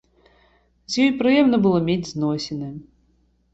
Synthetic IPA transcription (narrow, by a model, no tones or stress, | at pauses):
zʲjɔjpɾɨjɛmnɐbɨlˠɔmʲed͡zʲznɔsʲɛnɐ